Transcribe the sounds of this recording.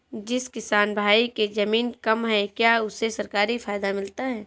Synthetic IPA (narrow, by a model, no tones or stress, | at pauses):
d͡ʒɪskɪsaːnbʱaːiked͡ʒɐmiːnkɐmɦɛkjaːʊsesɐɾkaːɾifaːjd̪amɪlt̪aɦɛː